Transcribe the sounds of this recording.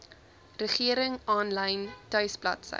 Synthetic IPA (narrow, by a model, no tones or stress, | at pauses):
rəχiəɾəŋɑːnlɐjntœɥsplɐ̰tsə̰